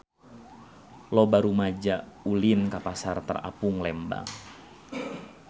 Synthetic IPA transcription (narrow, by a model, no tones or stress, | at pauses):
lɔbaɾumad͡ʒaulinkapasart̪ə̰ra̰puŋlɛmba̰